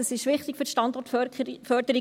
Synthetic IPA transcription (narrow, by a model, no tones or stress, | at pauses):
əsɪʃʋɪχtɪkfyɾʃtɑndɔrtfœɾd̥əɾi